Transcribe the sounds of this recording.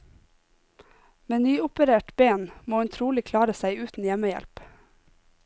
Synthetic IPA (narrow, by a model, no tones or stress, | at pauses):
meːnyːʊpəɾeːʈbeːnmoːhʉnt̪ʰɾuːlɪkʰlɑːɾəsæɪʉːt̪n̩jɛməjɛ̰lp